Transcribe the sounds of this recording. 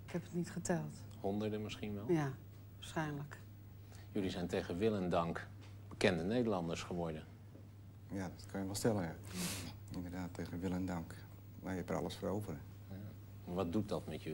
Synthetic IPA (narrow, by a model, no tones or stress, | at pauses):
ɪkhɛpətnitχətɛlˠt | hondərdəmɪsxinʋɛlja | ʋasxɛjnlək | jølisɛjnteɣənʋɪlˠəndɑŋk | b̥əkɛndənejdəlɑndəɹsχəʋɔɹdə | jadɔtkʰɔnjəʋɔlˠstɛləa | indərdaːtʰːejɣənʋɪlˠɛndɑŋk | ʋajɛpəra̰ləsfərowvərə | maɹʋɔt̚dut̚dɔtmɛtjə